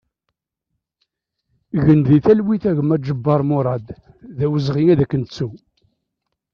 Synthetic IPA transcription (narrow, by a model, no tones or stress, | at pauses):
ɣənðiθælwiθæʝəmæd͡ʒəbːɑɾˤmʊɾˤɑd̪ | ðæwəzʁiŋæðækːənt͡sːu